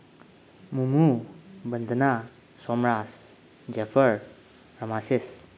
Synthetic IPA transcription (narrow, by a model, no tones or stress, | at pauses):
mumubənd̪ʱəna | sɔmɾas | d͡ʒepʰəɾ | ɾɐmasis